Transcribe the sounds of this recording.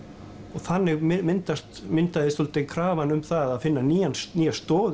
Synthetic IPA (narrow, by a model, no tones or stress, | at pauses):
ɔɣθanːɪɣmɪnt̪ast̪mɪnt̪aðɪst̪ɔlt̪eŋkʰɾaːvanʏmθaaðfɪnːaniːjansniːjast̪ɔːð